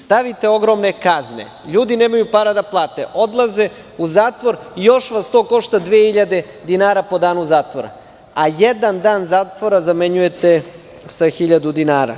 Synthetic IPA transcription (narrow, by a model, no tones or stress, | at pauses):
st̪aʋit̪e̞o̞ɡɾo̞mne̞kaznḛ | ʎuːd̪ineːmajupaɾad̪aplˠaːt̪ḛʔo̞d̪lˠaze̞ | uzaːt̪ʋo̞ɾijo̞ʃʋast̪o̞ːko̞ʃt̪ad̪ʋehiʎad̪e̞ | d̪inaːɾapo̞d̪aːnuzaːt̪ʋoɾa̰ | ajed̪and̪aːnzaːt̪ʋoɾazame̞ɲujet̪e | saxiʎad̪ud̪inaːɾa̰